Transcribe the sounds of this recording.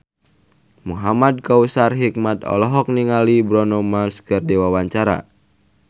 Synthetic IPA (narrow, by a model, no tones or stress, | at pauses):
muɦamad̪̚kausarɦik̚mat̪ɔ̰lɔɦɔk̚niŋalibɾɔnɔmalskɨrdewawaɲt͡ʃaɾa̰